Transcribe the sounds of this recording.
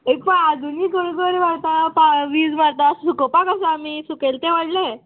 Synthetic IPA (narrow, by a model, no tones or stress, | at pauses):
ekpaad̪ʱuniːɡəɽɡəɾiʋaɽt̪apaʋiːd͡zmaɽt̪assukopakəs̬aːmiːsukelt̪eʋəɽle